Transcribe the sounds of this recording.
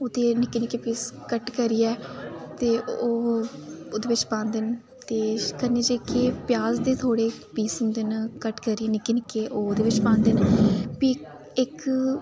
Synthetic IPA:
oːd̪eːnɪkːeːnɪkːeːpiːskəʈkəɾiːɛːt̪eːoː | oːd̪eːʋɪt͡ʃpãːnd̪ɪn | t̪eːkənːeːd͡ʒekeːpjaːzd̪eːt̪ʰoːɽeːpiːsʊnd̪ɪnkəʈkəɾiɛːnɪkːeːnɪkːeːʔoːd̪eːʋɪt͡ʃpãːnd̪ɪnpi | ɪk

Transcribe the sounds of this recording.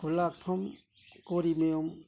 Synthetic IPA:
ulak̚pʰɔm | koɾimejom

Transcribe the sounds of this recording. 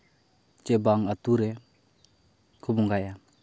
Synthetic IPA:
t͡ʃɛbaŋat̪uɾɛ | kʰubɔŋɡaja

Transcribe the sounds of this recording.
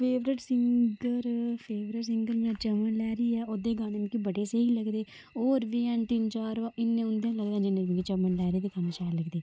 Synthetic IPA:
pʰeːʋɾɪʈsɪŋɡəɾpʰeːʋɾɪʈsɪŋɡəɾmeãt͡ʃəmənlɛːɾiːɛːoːd̪eːɡaːnenkibəɽeːseɦiːləɡd̪eː | oːɾʋiːɛnt̪ɪnt͡ʃaːɾʋãːʔɪnːẽːʊ̃nd̪ãːləɡd̪ãːd͡ʒɪnẽːɡĩkit͡ʃəmːənlɛːɾeːt̪eːkanẽʃɛːləɡd̪eː

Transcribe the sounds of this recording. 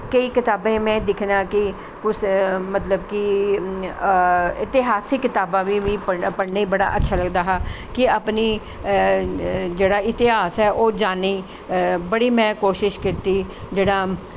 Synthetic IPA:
kəiːkɪt̪aːbẽːmɛ̃ːd̪ɪkʰnãːkɪ | kʊt͡ʃʰmət̪ləbkɪ | ɪt̪ɪɦaːsɪkːɪt̪aːbãːʋiːʋiːpəpəɽneiːbəɽa̰ːʔətːʃʰaːləɡd̪aːɦaː | kɪaːpniː | d͡ʒeːɽaːɪt̪ɪɦaːsɛːʔoːd͡ʒaːniː | bəɽiːmɛ̃ːkoːʃɪʃkɪt̪iː | d͡ʒeːɽaː

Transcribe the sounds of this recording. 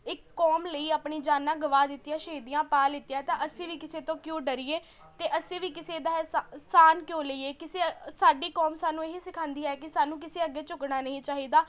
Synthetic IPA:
ɪkːɔːmləiːaːpɳiːd͡ʒaːnãːɡəʋaːd̪ɪt̪ːijãːʃeːd̪ijãːpaːlɪt̪ːijãːt̪ãːʔəsĩːʋiːkɪseːt̪õːkjõːɖəɾiːeː | t̪eːʔəsĩːʋiːkɪseːd̪aːssaːnkjõːləiːeːkɪseːsaːɖiːkɔːmsaːnũːeɦisɪkʰãːnd̪iːɛːkɪsaːnũːk̬ɪseːəɡːeːt͡ʃʊknaːnəĩːt͡ʃaːɦiːd̪aː

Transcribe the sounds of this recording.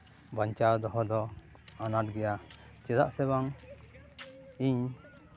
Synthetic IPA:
baɲt͡ʃawd̪ɔɦɔd̪ɔ | anaʈ̚ɡɛja | t͡ʃɛd̪a̰ʔsɛbaŋ | iɲ

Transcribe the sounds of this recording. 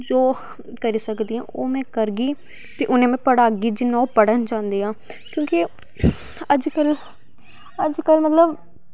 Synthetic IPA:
d͡ʒoː | kəɾiːsəkd̪iːã̰ːʔoːmɛ̃ːkəɾɡiː | t̪eːʔʊnẽːmɛ̃ːpəɽaːɡiːd͡ʒɪnãːpəɽənd͡ʒãːnd̪eːãː | kjõːki | əd͡ʒkəl | əd͡ʒkəlmət̪ləb

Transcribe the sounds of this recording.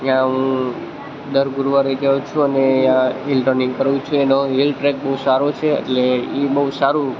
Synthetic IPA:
jãɦũ | d̪əɾɡuɾʋaɾed͡ʒaũt͡ʃʰũənejãɦilʈəɾnĩŋɡkəɾʋũt͡ʃʰũenoɦilʈɾɛk̚bəɦusaɾot͡ʃʰeḛʈleibəɦusaɾũ

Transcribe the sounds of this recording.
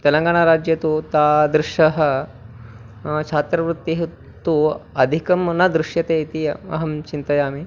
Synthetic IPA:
t̪elɐŋɡaɳ̃aɾad͡ʑjɐt̪ut̪ad̪ɾuʂɐɦɐ | t͡ʃʰat̪ɾɐʋɾut̪ːiɦ | t̪uɐd̪ʱikɐmnad̪ɾuʂjɐt̪et̪iɐɦɐmt͡ɕint̪ɐjaːmi

